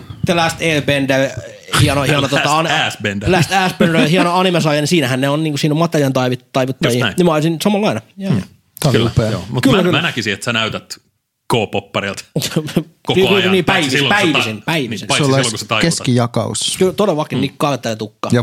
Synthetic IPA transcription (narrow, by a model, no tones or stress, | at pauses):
t̪elæst̪eːbende | hiɑnohiɑnot̪ot̪ɑɑnæsbendlæst̪æːsbendehiɑnoɑnimesɑːjɑnisiːnæhænneonniːŋkusiːnomɑt̪ːeriɑnt̪ɑiʋit̪ːɑiʋut̪ːɑjiːnimɑˑsinsɑmɑlːɑinɑjæ | t̪æliupeːo̰ːmutkylːækylmnækisiet̪sænæyt̪æt̪ | koːpopːɑrelt̪ | koskyniːpæiʋiːpæiʋisinpæiʋisinsolːɑslokuset̪ɑkeskijɑkɑ̰ṵskyt̪odeʋɑkːinniːkkːɑːket̪ːænet̪ukːɑ̰jɑ